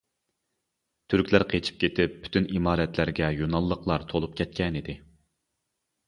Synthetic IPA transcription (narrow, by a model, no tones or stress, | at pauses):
t̪ʰyɾkʲlæɾqʰet͡ʃʰi̥p̚kʲʰet̪ʰɪpʰːy̥t̪ʰynimɑːɾɛt̪læɾɡʲɛjonɑlˠːəqlˠɑɾt̪ʰolˠup̚kʲʰɛt̪̚kʲɛnid̪ɪ